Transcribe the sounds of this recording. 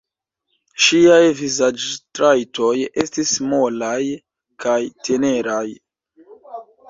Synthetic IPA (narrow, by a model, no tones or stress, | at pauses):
ʃiajvizad͡ʒtɾajto̞je̞̰stismolaj | kʰajtʰe̞ne̞ɾaj